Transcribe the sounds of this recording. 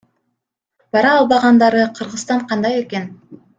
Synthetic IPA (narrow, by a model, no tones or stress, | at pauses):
b̥ɑɾɑːlˠbɑʁɑnd̪ɑɾɯqʰɯɾʁɯst̪ɑɴqʰɑnd̪ɑje̞ke̞n